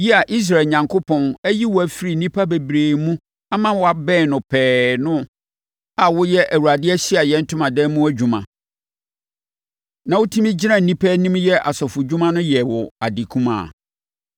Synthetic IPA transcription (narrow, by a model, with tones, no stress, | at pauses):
ji˦a˨ʔi˦s̬ɾa˨lɲã˨ŋkʰo˦pʰɔ̃˨næ˦ji˦wɔ˨æ˨fi˦ɾi˨nĩ˦pʰa˦be˨bɾeː˨mũ˦ | a˦mã˦˨wɔ˨a˨bɛː˦˨nʊ̃˨pʰɛː˨nʊ̃˦ | a˨wʊ˦jɛ˦ʔæ˨wu˨ɾa˨dɪ˦ɛ˦ɕi˦a˨jɛ̃˦n̩˦tʰʊ̃˦mã˨dɛː˦mũ˦æ˦d͡ʑᶣu˨mã˨ | nã˨wʊ˦tʰĩ˦mĩ˦d͡ʑɪ˦nã˦n̩˨nĩ˦pʰæ˦nĩ˦mjɛ˦ʔa˨sɔ˨fʊ˨d͡ʑᶣu˦mã˦nʊ̃˦jɛ˨wɔ˨a˨di˨kʰũ˦mã̰˨